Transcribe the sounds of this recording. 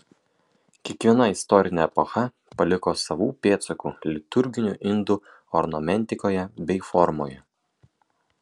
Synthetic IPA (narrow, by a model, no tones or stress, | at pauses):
kʲiɛkʋʲiɛnɐɪst̪ɔɾʲɪnʲeɛpɔxɐ | pɐlʲɪkoːsɐʋuːpʲeːt̪sɐkuːlʲɪt̪ʊɾʲɡʲɪnʲṵʔɪnd̪u | ɔɾnɔmʲɛnʲt̪ʲɪkoːjɛbʲɛɪfɔɾmo̰ːjɛ